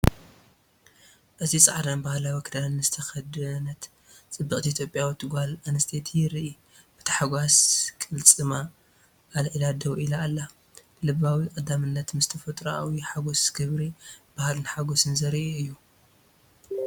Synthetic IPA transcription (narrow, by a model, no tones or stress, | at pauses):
ʔɨt̪ʰisʼaʕd̪anbahlawikʰɨd̪aɨzɨt̪ʰɐxɐd̪ɐnɐt̪ | t͡sʼɨbːɨkʼt̪ʰiit̪jo̞pʼjawɨt̪ʰɨɡʷalanɨst̪ʰet̪ʰjɪɾiʔi | b̥ɨ̥t̪ʰɐ̥ħaɡʷaskʼɨlt͡sʼɨma | ʔːlʔɨlad̪ɐwʔilaːlːa | lɨβawikʼɐd̪ːamɨnːɐt̪mɨz̥t̪ʰɐfɐt̪ʼɾaawiħaɡo̞sɡɨβɾib̥ahalɨnħaɡo̞sɨnzɐɾiʔuɨjːu